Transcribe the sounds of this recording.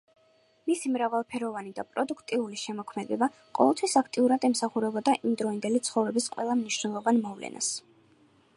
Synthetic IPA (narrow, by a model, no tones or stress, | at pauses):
misimɾavalˠpʰɛɾɔvanid̪a̰pʼɾɔd̪ukʰt̪ʼiuliʃɛmɔkʰmɛd̪ɛba | qʼɔ̰vɛlˠt̪ʰwisakʰt̪ʼiuɾad̪ɛmsaχuɾɛbɔd̪aʔimd̪ɾɔind̪ɛlit̪sʰχɔvɾɛbisqʼwɛ̰lˠamniʃnɛlˠɔvanmɔvlɛ̰nʔa̰s